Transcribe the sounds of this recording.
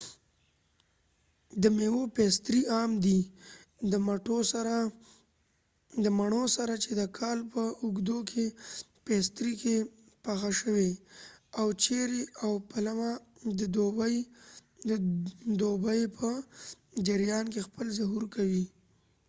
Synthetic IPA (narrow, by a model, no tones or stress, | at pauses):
d̪əmewopest̪ɾiɑmd̪id̪əmaʈosaɾa | d̪əmaɳosaɾat͡ʃed̪əkʰɑlpəʊɡd̪okʰe | pest̪ɾike | paxaʃəweawt͡ʃeɾeawpalamad̪əd̪obaj | d̪obajpʰə | d͡ʒɪɾjɑnkexpəlzaɦuɾkawi